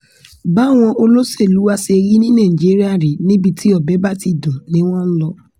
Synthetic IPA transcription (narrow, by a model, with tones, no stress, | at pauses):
ba˦˨w̃ɔ̃˧ʔo˧lo˦se˦˨lu˨˦wa˦se˧ɾi˦nĩ˦nã˦˨ĩ˨d͡ʒi˨˦ɾi˦a˦˨ɾi˨˦nĩ˦bi˧tʰi˦ɔ˦˨bɛ˨˦ba˦˨ti˦˨dɔ̃˨nĩ˦w̃ɔ̃˦n̩˦lɔ˧